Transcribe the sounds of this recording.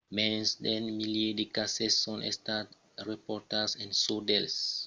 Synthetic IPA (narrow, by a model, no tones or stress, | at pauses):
mɛ̃nsdɛ̃nmiliedikasɛsɔ̃nʔɛ̰stat | ɹɛpɔtasɛ̃nsodɛls